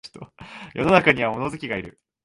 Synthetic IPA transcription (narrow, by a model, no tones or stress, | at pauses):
t̪ojo̞̰no̞nakaɲ̟iβamo̞no̞zɨkʲiɡaiɾɯ̟̰